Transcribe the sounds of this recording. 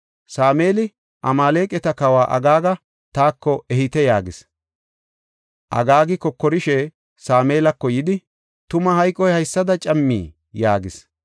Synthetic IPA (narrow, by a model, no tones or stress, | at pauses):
saːme̞ːlɪ | ʔɐmaːle̞ːkʼɛt̪ɐkɐwaːʔɐ̰ɡaːɡɐ | t̪aːkːɔʔɛhɪt̪ɛjaːɡɪs | ʔɐ̰ɡaːɡɪkɔkːɔɾɪʃɛ | saːmeːlɐkːɔjɪd̪ɪ | t̪ʊmɐɦɐjkʼːɔjhɐjsːɐd̪ɐt͡ʃʼɐmːḭː | jaːɡɪs